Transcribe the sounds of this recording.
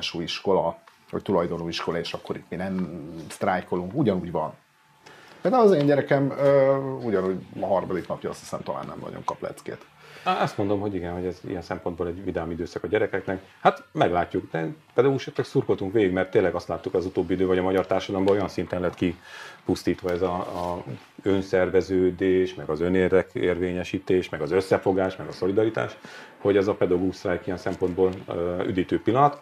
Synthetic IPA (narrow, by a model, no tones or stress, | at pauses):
ʃuːiʃko̞lɒ | ho̰ct̪ulɒjd̪o̞nuːiʃko̞lɒeːʃɒkːo̞ɾit̪minɛmst̪raːjko̞luŋkuɟɒnuːɟvɒn | peːld̪aːwlɒzeːnɲɟɛɾɛkɛmøːuɟɒnuɟɒɦɒrmɒd̪iknɒpjɒɒst̪hi̥sɛ̰mt̪ɒla̰ːnːʔɛ̰mnɒ̰ɟo̰ŋkɒplɛ̰t̪skḛːt̪ | ɛst̪mo̞nd̪o̞mɦo̞ɟiɡɛnho̞ɟɛzḭjɛnsɛmpo̞nd̪boːlɛɟvid̪aːmid̪øːsɒkɒɟɛɾɛkɛknɛk | hat̪mɛɡlaːcːukd̪ɛpɛd̪ɒɡuʃɛt̪ːɛksurko̞lt̪uŋkʋeːɡiɡmɛrt̪ːeːnlɛɡɒst̪laːt̪ːukɒzut̪oːbːiid̪øːvɒɟɒmɒɟɒrt̪aːrʃɒd̪ɒlɒmbɒojɒnsint̪ɛnlɛɦɛt̪kipust̪iːt̪ʋɒɛzɒ | ønsɛrvɛzøːd̪eːʃmɛɡɒzøneːrd̪ɛkḛːrveːɲɛʃiːt̪eːʃmɛɡɒzøsːɛfo̞ɡaːʃmɛɡɒso̞lid̪ɒɾit̪a̰ːʃho̞ɟɛzɒpɛd̪ɒɡoɡuʃsraːikijɛnsɛmpo̞nd̪boːly̰d̪iːt̪øːpilːɒnɒt̪